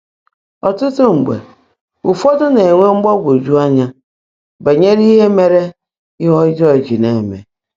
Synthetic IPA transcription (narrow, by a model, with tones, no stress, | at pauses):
ɔ˨tʊ˦tʊ˦ŋ͡m̩˨ɡ͡bḛ˨ | u˨fɔ˦tʊ˦ne˨ŋʷe˦ŋ͡m̩˦ɡ͡bɔ˦ɡʷo˨d͡ʒu˦a˦ɲa˦ | be˨ɲe˦ɾi˦ɦe˦me˨ɾe˦ | ɪ˦ɦɔ˦ɪ˦d͡ʒɔ˦˨d͡ʒi˨ne˨mḛ˨